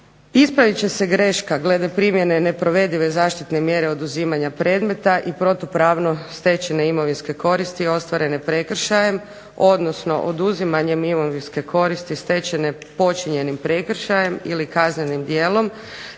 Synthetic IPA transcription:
ispɾaʋit͡ɕe̞se̞ɡɾeʃkaɡle̞d̪epɾimje̞ne̞ne̞pɾo̞ʋe̞d̪iʋe̞zaːʃt̪it̪ne̞mje̞ɾe̞o̞d̪uziːmaɲapɾe̞ːd̪me̞t̪aʔipɾo̞t̪opɾaʋno̞st̪e̞t͡ɕeneimo̞ʋinske̞ko̞ɾist̪io̞st̪ʋaɾe̞ne̞pɾe̞kr̩ʃaje̞m | o̞d̪no̞sno̞̰ʔod̪uzimaɲe̞mimoʋinske̞kʰo̞ɾist̪ist̪e̞t͡ɕene̞po̞t͡ʃiɲe̞nimpɾe̞kɾʃaje̞mḭlikazɲenimd̪je̞ːlo̞m

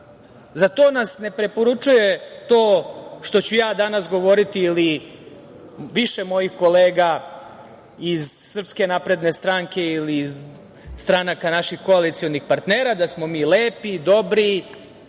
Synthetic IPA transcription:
zat̪o̞ːnasne̞pɾe̞po̞ɾut͡ʃuje̞t̪o̞ːʃt̪o̞t͡ɕujaːd̪anasɡo̞ʋo̞ɾit̪iːli | ʋiʃe̞mo̞jixko̞leːɡa | izsr̩pske̞napɾe̞d̪ne̞st̪ɾaŋke̞iliːz | st̪ɾanakanaʃixko̞alit̪sio̞nixpaɾt̪ne̞ːɾad̪asmo̞miːleːpid̪o̞bɾi

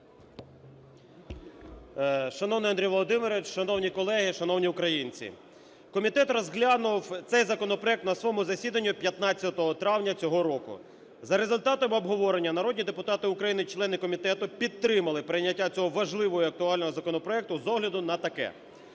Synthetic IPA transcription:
ʃɐnɔwnɪjɐnd̪ɾijʋɔlˠɔd̪ɪmɪɾʋʲɪt͡ʃʃɐnɔwnʲikɔlˠɛɦɪʃɐnɔwnʲiʊkɾɐjinʲt͡sʲḭ | kɔmʲit̪ɛt̪rɔzɦlʲanʊwt̪sɛjzɐkɔnɔpɾɔɛk̚t̪nɐsʋɔmʊzɐsʲid̪ɐnʲːʊpʲjɐt̪nɑtt͡sʲːɐt̪ɔɦɔt̪ɾɑwnʲɐt͡sʲɔɦɔɾɔkʊ̰ | zɐɾezʊlʲt̪ɑt̪ɔmɔbɦɔʋɔɾenʲːɐnɐɾɔdʲnʲid̪epʊt̪ɑt̪ɪʊkɾɐjinɪt͡ʃlˠɛnɪkɔmʲit̪ɛt̪ʊpʲid̪t̪ːɾɪmɐlˠɪpɾɪjnʲːɐtʲːat͡sʲɔɦɔʋɐʒlˠɪʋɔjiɐk̚t̪ʊɑlʲnɔɦɔzɐkɔnɔpɾɔɛk̚t̪ʊzɔɦlʲɐd̪ʊnɐt̪ɐkɛ̰

